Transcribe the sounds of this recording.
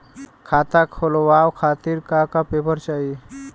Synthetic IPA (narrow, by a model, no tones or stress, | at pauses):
kʰat̪akʰolowawkʰat̪iːɾkakapepəɾt͡ʃai